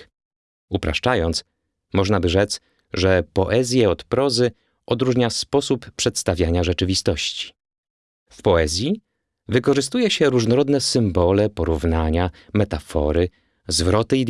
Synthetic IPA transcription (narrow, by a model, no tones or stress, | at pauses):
upɾa̰ʂt͡ʂajɔnt̪s | mɔʐnabɘʐɛt̪s | ʐɛpɔʔɛzʲjɛɔt̪pɾɔzɘ | ʔɔd̪ɾuʐɲaspɔsupːʂɛt̪st̪avʲjaɲaʐɛt͡ʂɘvʲist̪ɔɕt͡ɕi̥ | fpɔɛzʲji | vɘkɔʐɘs̬t̪ujɛɕɛɾuʐnɔɾɔd̪nɛsɘmbɔlɛpɔɾuvnaɲamɛt̪afɔ̰ɾɘ | zvɾɔt̪ɘi